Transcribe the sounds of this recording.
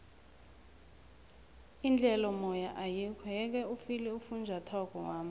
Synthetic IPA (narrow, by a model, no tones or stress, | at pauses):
ind͡ɮʱɛlɔmɔjaʔajikʰɔjɛk̬ɛufilɛufund͡ʒʱatʰɔkɔwaːmu